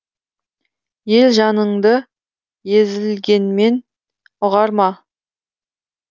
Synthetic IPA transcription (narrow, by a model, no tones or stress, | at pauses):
je̞lʒɑnəɴd̪ə | jezɪlɡʲe̞nme̞n | ʊʁɑɾmɑ